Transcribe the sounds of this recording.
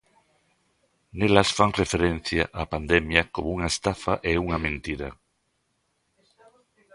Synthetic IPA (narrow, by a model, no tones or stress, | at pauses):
nelɐsfaŋrefeɾenθja̰ʔapand̪emjɐkomouŋaest̪afaʔeuŋɐmẽnt̪iɾɐ̰